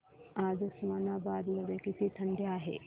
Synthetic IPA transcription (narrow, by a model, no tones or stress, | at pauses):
ad͡zusmanabad̪ləɡekit̪iːt̪ʰəɳɖʱjeaːɦḛ